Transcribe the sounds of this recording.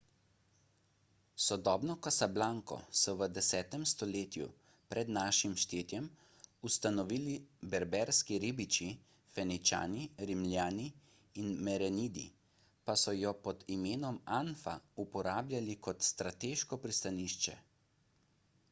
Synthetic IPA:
sɔd̪ɔːbnɔkasablaːŋkɔ̰sɔʋəd̪ɛsɛːt̪ɛmst̪ɔleːt̪jṵ | pɾɛd̪naːʃimʃt̪eːt̪jɛm | ust̪anɔʋiːlibɛɾbɛɾskiɾibit͡ʃi | fɛnit͡ʃa̰ːniɾimljaːniː | nmɛɾɛniːd̪ḭ | pasɔjɔpɔd̪imeːnɔmanfa̰upɔɾaːblʲjalikɔt̪st̪ɾat̪eːʃkɔpɾist̪aniːʃt͡ʃɛ̰

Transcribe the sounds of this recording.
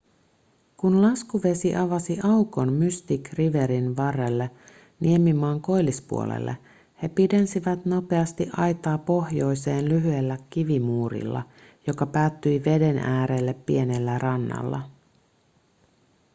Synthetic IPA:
kunlɑskuʋe̞siʔɑʋɑsiʔɑwko̞nmyst̪ikriʋe̞ɾinʋɑrːelːe | niemːimɑːŋko̞jlispṵo̰lḛlːḛ | he̞pide̞nsiʋæt̪no̞pe̞ɑst̪iʔɑjt̪ɑːpo̞hjo̞jse̞ːnlyɦyelːækːiʋimuːɾḭlːɑ̰jo̞kɑpæːt̪ːyjʋe̞de̞nʔæːɾeːlːepːie̞ne̞lːærɑnːɑ̰lːɑ̰

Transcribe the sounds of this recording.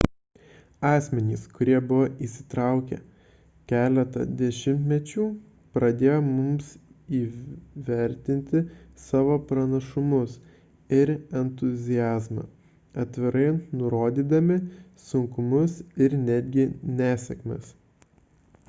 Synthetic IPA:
ɑːsʲmʲɛnʲiːskʊɾʲiɛbʊʋoʔisʲɪ̥t̪ɾɑˑʊkʲɛ̰ | kʲæːlʲɛt̪ɐ̰d̪ʲɛʃʲɪmʲt̪ʲmʲɛt͡ʃʲuː | pɾɐd̪ʲeːjoːmʊmsiːʋʲɛɾʲt̪ʲɪnʲt̪ʲɪsɑːʋoːpɾɐnɐʃʊmʊs | ɪɾɛnt̪ʊzʲɪjæːzmɑ̰ː | ɐt̪ʲʋʲɪɾɐɪnʊɾoːd̪ʲiːd̪ɐmʲɪsʊŋkʊmʊsɪɾnʲæd̪ʲɡʲɪnʲæːsʲɛkmʲḛs

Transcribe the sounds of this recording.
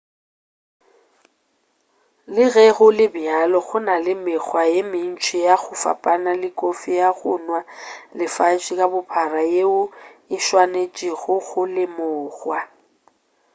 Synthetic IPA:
lɪɣɛɣʊlɪbjalɔɣʊnalɪmɪɣwajemɪn̩t͡ʃʰʼijaɣʊfa̰pʼanalɪkʼofijaɣʊnwalɪfat͡ʃʼikʼabʊpʰarajeʊɪʃwanet͡ʃʼɪɣʊɣʊlɪmʊːɣwa

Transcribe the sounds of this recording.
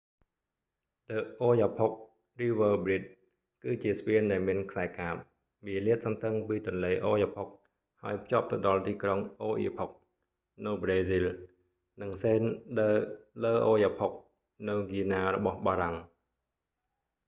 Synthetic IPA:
t̪əːʔoːjaːpʰok̚ | riːʋəːbrit̪̚ | kɨːt͡ɕiəspiənɗaɛlmiənkʰsaɛkaːp̚ | ʋiəliət̪̚sɑnt̪ɨŋpiːt̪ʊ̆ənleːʔoːjaːpʰok̚ | haəjpʰt͡ɕŏəp̚t̪ɨɗɑlt̪iːkroŋʔoːʔḭːpʰok̚ | nɨwbreːzil | nɨŋseːnɗələːʔoːjaːpʰok̚ | nɨwɡiənaːrɔɓɑhɓaːɾaŋ

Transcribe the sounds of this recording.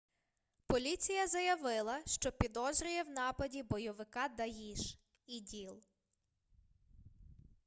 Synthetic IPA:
pɔlʲit͡sʲijɐzɐjɐʋɪlˠɐʃt͡ʃɔpʲid̪ɔzɾʲʊjɛwnɑpɐdʲibɔjɔʋɪkɑd̪ɐɦʲiʃ | idʲilˠ

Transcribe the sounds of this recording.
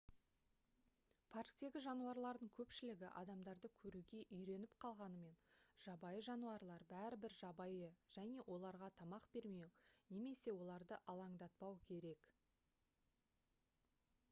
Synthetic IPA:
pʰarkt̪e̞ɡʲɪʒɑnuɑɾlˠɑɾd̪əɴkʲʰɵpʃɪlɪɡʲɪʔɑ̰d̪ɑmd̪ɑɾd̪əkʲʰɵɾuɡʲe̞ʔʏjɾe̞nɪpqʰɑlˠʁɑnəme̞nʒ̥ɑbɑjəʒɑnuɑɾlˠɑɾbæɾɪbɪɾʒɑbɑjəʒ̥æne̞wʔo̞lˠɑɾʁɑt̪ʰɑmɑqbe̞ɾme̞wne̞me̞se̞wo̞lˠɑɾd̪əʔɑlˠɑŋd̪ɑt̪̚pɑwkʲʰe̞ɾe̞k

